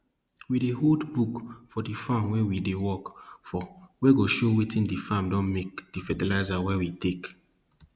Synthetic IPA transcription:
wideholdbukfɔdifãmwewidewɔkfɔweɡoʃowitĩndifãmdɔ̃nmek̚d̥ifɛdɛlaɪzawɛwitek

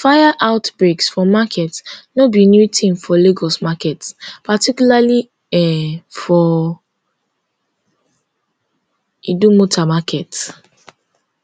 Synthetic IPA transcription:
fajaʔaʊtbɹeksfɔmakʰɛtnɔbinjutʰĩmfɔleɡɔsmakɛtpatikjulali | ɛfɔ | idumotʰamakʰɛt

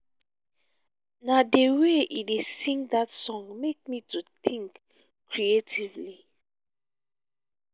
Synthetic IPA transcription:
nadeweidesĩŋɡdatsɔ̃ŋmek̚mitutʰĩŋk | kːɹietʰivli

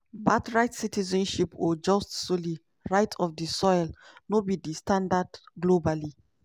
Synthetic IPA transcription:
batɹaɪtsitizɔ̃nʃipod͡ʒɔstsoli | ɹaɪtʰɔfdisɔjlnobidistãndadɡlobali

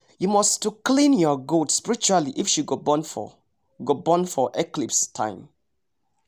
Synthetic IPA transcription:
jumɔstuklĩnjɔɡotspiɹit͡ʃualiʔifʃiɡobɔ̃nfɔ̰ | ɡobɔ̃nfɔʔɛklipstʰã̰ɪ̃m

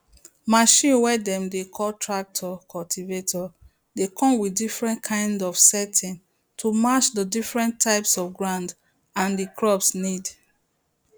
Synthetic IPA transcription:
maʃĩnwɛdɛ̃mdekʰɔltʰɹak̚tʰɔkʰɔltʰivetʰɔ | dekʰɔ̃mwidifɹɛ̃nkʰãɪ̃ndɔfsɛtʰĩn | tʰumat͡ʃdədifɹɛ̃ntʰːaɪpsɔfɡɹãnd | ãndikʰɹɔpsnid

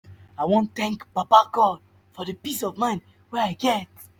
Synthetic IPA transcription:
aɪwõnθɛ̃ŋkpapaɡɔd̚ | fɔðəpisɔvmãɪ̃n | wɛaɪɡɛt̚

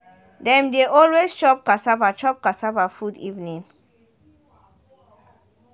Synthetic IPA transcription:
dɛ̃mdeʔɔlwest͡ʃɔp̚kasavat͡ʃɔp̚kasavafudḭvnĩŋ

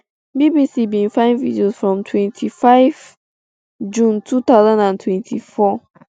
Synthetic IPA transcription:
bibisibĩnfãɪ̃nvidiosfɹɔ̃mtʰwɛ̃ntʰifaɪv | d͡ʒũntʰut̪aʊzãndãntʰwɛ̃ntʰifɔ

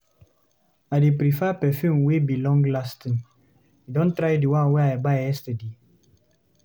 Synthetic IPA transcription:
adepɾifɛpɛfjumwebilɔ̃ŋɡlastĩn | idɔ̃ntɾajdiwãnwɛajbajɛstɛde

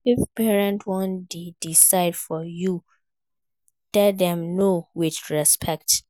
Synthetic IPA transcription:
ifpɛɹɛ̃ntwɔ̃ndedisaɪdfɔju | lɛdɛ̃mnowɪdɹɛspʰɛk̚t

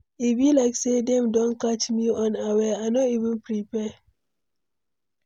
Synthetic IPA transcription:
ibilaɪksedɛ̃mdõnkat͡ʃmiɔ̃nawɛaɪnɔtivə̃npɾipɛ

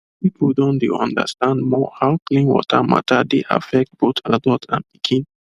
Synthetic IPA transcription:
pipʰldɔ̃ndeɔ̃ndə̰stãndmɔhaʊklĩnwɔ̰tʰama̰tʰadeʔa̰fɛk̚t̚b̥otabɔtʰã̰npi̥kʰĩn

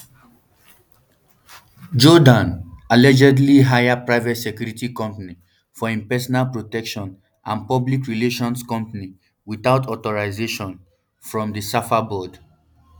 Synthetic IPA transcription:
d͡ʒɔdãnalɛd͡ʒɛdliɦajapɹaɪvɛtsɛkjuɹitikɔ̃mpani | fɔĩnpɛsɔnalpɹotɛkʃɔ̃n | ʔãnpɔblikɹileʃɔ̃nskɔ̃mpani | wiθaʊtʰɔtɔɹaɪzeʃɔ̃n | fɹɔ̃mdəsafabɔd

